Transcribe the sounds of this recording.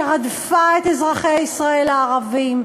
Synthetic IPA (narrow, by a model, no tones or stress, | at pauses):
ʁad̪faet̪ezʁaχejaisʁae̞laːʁavim